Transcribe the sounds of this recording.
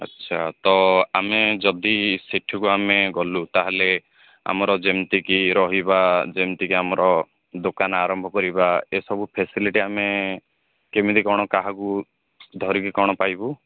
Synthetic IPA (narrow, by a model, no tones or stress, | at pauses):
ɔ̰tːʃʰat̪ɔamed͡ʒɔd̪isiʈʰɔkuameɡɔlut̪aɦele | a̰mɔɾɔd͡ʒemt̪ikiɾɔɦibad͡ʒemt̪ikiamɔɾɔ | d̪okanaɾɔmbʱɔkɔɾibaesɔbupʰesiliʈiame | kemid̪ikɔɽ̃ɔkaɦaku | d̪ʱɔɾikikɔɽ̃ɔpajbu